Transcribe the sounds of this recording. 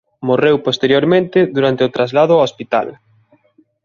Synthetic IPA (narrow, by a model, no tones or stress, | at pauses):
morewpost̪eɾjoɾmẽnt̪ɪðuɾant̪ɪot̪ɾazlað̞ʊaospit̪a̰l